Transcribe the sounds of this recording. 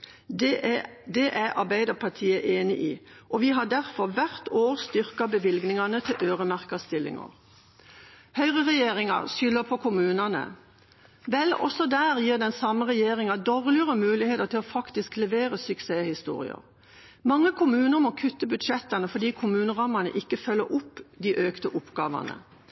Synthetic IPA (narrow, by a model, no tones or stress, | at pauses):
d̪ɛʔæʔɑ̰bæɪd̪ɑpʰɑt̪ʰiːəʔeːnɪ̰ʔiːʔɔʋiːɦɑd̪æʁfɔʁʋæʁt̪ʰoːʁst̪ʏʁkɑbəʋɪlɡnɪŋɑnət̪ʰɪlʔøːʁəmæʁkəst̪ɪlːɪ̰ŋə̰ʁ | hœʏʁəʁɛjeːʁɪŋɑ̰ʁʃʏlːəpʰɔkʰʊmʉːnɑnə̰ | ʋɛlɔ̰sɔd̪æːʁjiːʁd̪ɛnsɑməʁɛjeːʁɪŋɑd̪ɔʁlɪəʁəmʉːlɪheːt̪əʁt̪ʰɪlɔfɑkt̪ɪsklɛʋeːɾəsʉkseːhɪst̪ṵːʁɪ̰ə̰ʁ | mɑŋːəkʰʊmʉːnəʁmɔkʰʉt̪ːəbʉd̪ʃɛt̪ɑnəfɔd̪iːkʰʊmʉːnəʁɑmɑnə̰ʔɪkːəfœlːəɾʊpd̪iːʔøːkt̪əʔʊpɡɑ̰ːʋɑ̰nə̰